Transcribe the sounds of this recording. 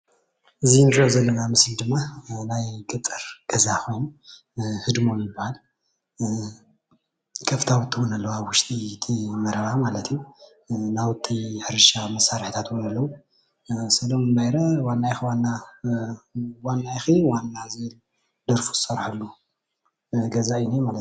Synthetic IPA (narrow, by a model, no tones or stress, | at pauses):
ʔɨzijnɾozɐlːɐnamɨsld̪ɨmːanajkʼɨt̪ʼːɨɾɡ̥ɐzakʰo̞jnu | hɨd̪momjɪbːahal | kʰʼɐft̪ʰawɨt̪ʰːiwnɐlːɐwaβwʊʃt̪ʼit̪ʰimɐɾɐβamalɐt̪ʰju | nawɨt̪ʰːiħɨɾʃamɐsaɾħit̪ʰat̪wunɐlːɐwu | sɐlo̞mɨnbajɾɐwanːajxwanːa | wanːajxiwanːazel | d̪̥ɐɾfu̥zsɐɾħalːu | ɡɐzainemalt̪